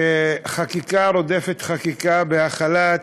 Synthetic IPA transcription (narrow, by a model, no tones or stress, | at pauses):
eχakikaɾo̞d̪efet̪χakikabeaχala